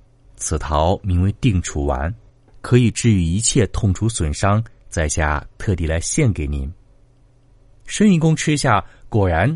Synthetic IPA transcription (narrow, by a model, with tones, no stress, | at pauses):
t͡sʰɹ̩˨˩t̪ʰɑ˧˥ʊmi˧˥ŋwe˧˥ɪt̪i˥˩ŋʈ͡ʂʰu˧˥wa̰˧˥n | kʰɤ˧˥i˨˩ʈ͡ʂɻ̩˥˩y˧˥i˧˥t͡ɕʰjɛ˥˧t̪ʰʊ˥˩ŋʈ͡ʂʰu˧˥swə˨˩nʂɑ˥ŋt͡sa˥˧ɪɕja̰˥˩t̪ʰɤ˥˧t̪i˨˩la˧˥ɪɕjɛ˥˩nke˨˩ɪni˨˧˩m | ʂə˥ni˧˥˩kʊ˥ŋʈ͡ʂʰɻ̩˥ɕja˥˩kwɔ˨˩ɻa˧˥n